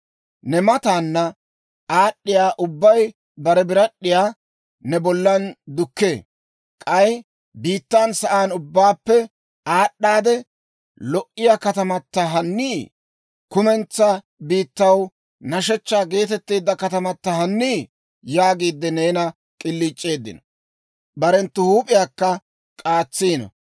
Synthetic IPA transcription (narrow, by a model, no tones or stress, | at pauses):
nɛmɐt̪aːnːɐ | aːɗːɪjaːʔʊbːɐj | bɐɾɛbɪɾɐɗːɪjaː | nɛbɔlːɐnd̪ʊkːeː | kʼɐj | biːt̪ːaːnsɐʔaːnʊbːaːpːɛ | aːɗːaːd̪ɛ | lɔʔɪjakɐt̪ɐmɐt̪ːɐɦɐnːiː | kʊmɛnt͡sːɐ | biːt̪ːɐw | nɐʃɛt͡ʃːaːɡe̞ːt̪ɛt̪ːeːd̪ːɐkɐt̪ɐmɐt̪ːɐɦɐnːiː | jaːɡiːd̪ːɛneːnɐ | kʼɪlːiːt͡ʃʼːe̞ːd̪ːɪ̰nɔ | bɐɾɛnt̪ːʊhuːpʼɪjaːkːɐ | kʼaːt͡sːiːnɔ̰